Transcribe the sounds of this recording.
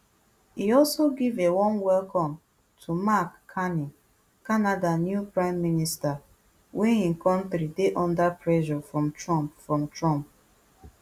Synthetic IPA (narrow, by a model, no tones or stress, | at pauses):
hiɔlˠsoɡivewɔ̃nwɛlkɔ̃m | tʰumakʰːani | kanadanjupɹãɪ̃mːinista | wɛ̃ĩnkʰɔ̃ntɾideʔɔ̃ndapʰɹɛʒɔfɹɔ̃mtɹɔ̃mpfɹɔ̃mtɹɔ̃mp̚